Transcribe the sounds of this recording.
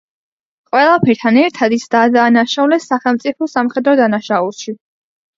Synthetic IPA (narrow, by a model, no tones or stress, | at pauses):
qʼwɛlˠapʰɛɾt̪ʰanɛɾt̪ʰad̪isd̪ad̪aːnaʃaulɛsːaχɛlˠmt̪sʼipʰɔsamχɛd̪ɾɔd̪anaʃaulˠʃi